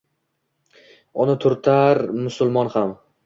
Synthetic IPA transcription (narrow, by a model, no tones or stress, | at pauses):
ʊnɪt̪ʰʊɾt̪ʰaɾmʊsʊlˠmɒnham